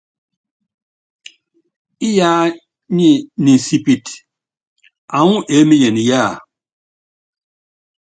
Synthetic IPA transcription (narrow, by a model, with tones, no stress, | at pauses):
i˦ja˦ | ɲi˦ni˨si˨pi˨t | a˨ŋũ˦ʔe˨˦mi˦je˨ni˨ja˦˨